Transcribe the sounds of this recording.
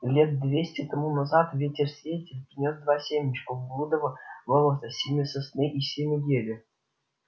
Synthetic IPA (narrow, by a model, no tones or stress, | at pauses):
lʲet̪̚d̪vʲesʲtʲɪt̪ɐmunazɑt̪vʲetʲɪrsʲvʲetʲɪlʲpʲɪnʲozd̪vasʲemʲɪt͡ɕkəvblˠud̪əvəvolˠət̪əsʲimʲɪsəsnʲeʔisʲemʲɪɡʲelʲɪ